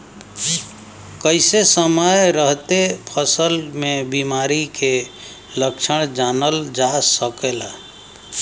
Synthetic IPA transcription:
kəɪsesəməjɾəɦt̪epʰəsəlmẽbimaːɾike | ləkʃəɽ̃d͡ʒaːnəld͡ʒaːsəkeːlaː

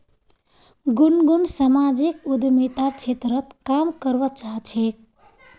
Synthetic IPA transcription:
ɡunɡunsamad͡ʒikud̪mit̪aɾt͡ʃʰet̪ɾət̪kamkəɾʋət͡ʃaɦt͡ʃʰek̚

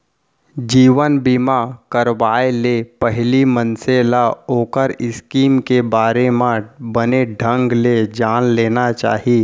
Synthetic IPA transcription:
d͡ʒiːʋənbɪmakəɾʋaːelepəɦlimənselaoːkəɾɪskiːmkebaːɾemãbəneɖʱə̃ŋɡled͡ʒaːnleːnat͡ʃa̰ːɦi

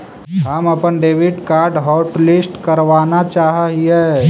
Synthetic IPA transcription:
ɦəmɐpənɖeːʋɪɖkaːɾɖɦɔːʈlɪsʈkəɾʋaːnat͡ʃaːɦɦie

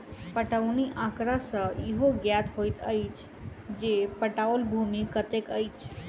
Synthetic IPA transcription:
pəʈəʋɳ̃iʔãkɾasəiɦoɡjat̪ɦojt̪ʰə̰jt͡ɕ | d͡ʑepəʈaʋəlbʱumikət̪ekəjt͡ʃ

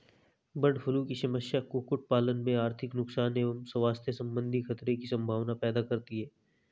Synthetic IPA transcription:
bɐɖfʰʊlũkiʃɐməʃjakokʊʈ̚paːlənmẽaːɾt̪ʰɪknʊksaːneːʋəmsɐʋaːst̪ʰesɐ̃mbə̃nd̪ʱixʰɐt̪ɾekisɐ̃mbʱaːʋnapɛːd̪akɐɾt̪iɦɛː

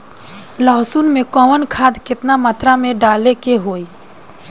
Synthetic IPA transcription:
lɔːɦsuːnmẽkɔːʋənkʰaːd̪kɪt̪namət̪ɾamẽɖaːlekeɦoːi

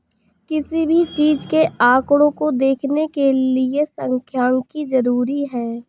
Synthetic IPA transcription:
kɪsibʱit͡ʃiːd͡ʒkeʔaːkɽõkod̪eːkʰnekeliesə̃ŋkʰjaːŋkizɐɾuːɾiɦɛː

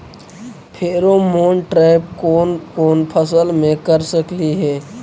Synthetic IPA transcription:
pʰeːɾomoːnʈɾaːɪb̚kokoːnpʰəsəlmẽkəɾsəkliɦɛː

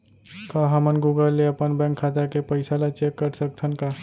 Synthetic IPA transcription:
kaɦəmənɡuɡəlːeəpənbɛ̃ŋkʰːat̪akepəɪsalat͡ʃekːəɾsək̚t̪ʰənka

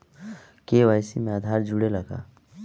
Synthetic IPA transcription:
keʋajsimẽad̪ʱaːɾd͡ʒʊɽelɐɡa̰ː

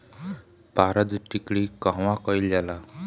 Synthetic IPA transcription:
paɾəd̪ʈikɭikãʋãkɔjld͡ʑala

